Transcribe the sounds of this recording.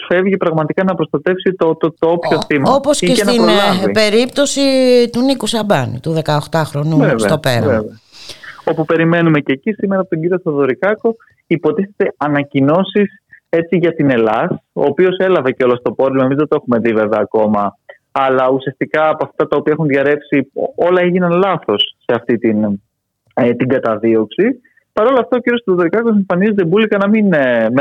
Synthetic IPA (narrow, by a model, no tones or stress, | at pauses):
sfe̞vʝipɾɐɣmɐt̪ikɐnɐpɾo̞st̪ɐt̪e̞fsit̪ot̪t̪oopçoθimɐoposceenɐiipe̞ɾipt̪o̞sit̪unikusɐbɐnḭt̪uðe̞kɐoxt̪ɐxɾo̞nuvevseɐt̪opḛɾveveɐo̞pupe̞ɾime̞numececisimeɾɐːpot̪oɟiɾiosɐðo̞ɾikɐko̞ | ipo̞t̪iθet̪e̞ɐnɐcino̞sis | e̞t͡siʝɐt̪ine̞lɐso̞̰ːpio̞se̞lɐve̞ceo̞lost̪o̞po̞ɾimoemizðet̪oexume̞ðive̞veɐːko̞mɐː | lɐusiɐst̪ikɐːpoɐft̪ɐt̪ɐopiɐxunðʝɐɾe̞psiolɐeʝinɐnlɐθo̞sːe̞ɐft̪it̪in | t̪iŋɡɐt̪ɐðio̞ksi | pɐɾo̞lɐft̪ɐociɾiosɐðoðo̞ɾikɐko̞s̬eɱfɐnizt̪ebulikɐnɐminm